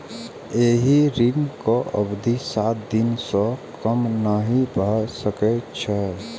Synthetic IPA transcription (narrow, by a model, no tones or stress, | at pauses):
eːɦiɾimkoʔəbd̪isaːt̪̚d̪ɪnsɔkəmnəɦibəsəket͡ʃʰɛ